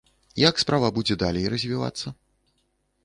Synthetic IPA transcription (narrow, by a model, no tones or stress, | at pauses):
jakspɾavɐbud͡zʲɛd̪alʲejrɐzʲvʲiva̰t̪sːɐ